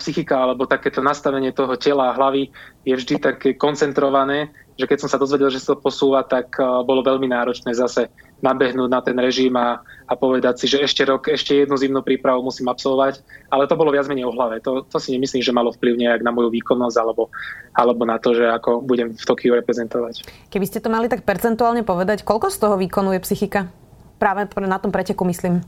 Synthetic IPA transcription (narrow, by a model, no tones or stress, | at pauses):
psixikaalɛbɔt̪akɛːt̪ɔnast̪aʋɛɲɪɛt̪ɔɦɔcɛlaːɦlaʋijɛvʒd̪it̪akɛːkɔnt͡sɛnt̪ɾɔʋanɛː | ʒɛkɛc̚sɔmsad̪ɔzʋɛɟɛlʒɛsḁt̪ɔpɔsuːʋat̪akbɔlɔʋɛʎminaːɾɔt͡ʃnɛːzasɛ | nabɛɦnuːɟnat̪ɛnɾɛʒimaːpɔʋɛd̪acsiʒɛɛʃcɛɾɔkɛʃcɛjɛd̪nuzimnuːpɾiːpɾaʋoʊmusiːmapsɔlʋɔʋacalɛt̪ɔbɔlɔʋɪad͡zmɛɲɛjɔɦlaʋɛt̪ɔt̪ɔsiɲɛmisliːmʒɛmalɔfpliʊɲɛjaɡnamɔjuʋiːkɔnːɔzɟalɛbɔalɛbɔnat̪ɔʒɛakɔbuɟɛmft̪ɔkijuɾɛpɾɛzɛnt̪ɔʋackɛbiscɛt̪ɔmalit̪ak̚pɛɾt͡sɛnt̪uaːlɲɛpɔʋɛd̪ackɔʎkɔst̪ɔɦɔʋiːkɔnuʊjɛpsixika | pɾaːʋɛnat̪ɔmpɾɛcɛkumisliːm